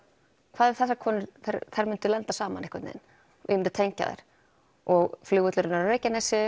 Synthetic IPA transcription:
kʰvaːðɛɾ̥θɛsːakʰɔːnɪɾθeɾθajɾmʏnt̪ʏlɛnt̪asaːma̰nɛhkvaɾt̪nɪ̰ːðɪ̰n | vɪ̰mʏnʏ̥t̪ʰeɲca̰ðḛjɾ̥ | ɔɣflʏːɣʏt̪lʏɾɪnaɾareːjcanɛsɪ

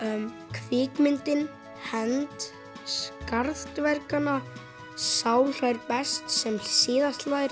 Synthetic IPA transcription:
m | kʰvɪːkmɪnt̪ɪn | hɛnt̪ | skaɾθt̪vɛɾkana | saːwr̥ajɾpɛst̪sɛmsɪːðast̪laɪɾ

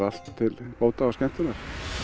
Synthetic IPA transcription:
al̥t̪ʰːɪlpoːwt̪aawskɛm̥t̪ɪnaɾ̥

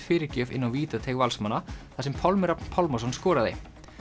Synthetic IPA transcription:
fɪːɾɪɾcœːvɪ̰nːawviːt̪at̪ʰeɣvalsmanːaθasɛmpʰɔlmʏɾapn̥pʰɔlmɔs̬ɔnskɔːɾaðej

